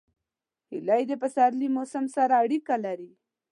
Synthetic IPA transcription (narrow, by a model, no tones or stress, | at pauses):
hɪ̰lajd̪epəsaɾlimosəmsaɾaːɽikalaɾi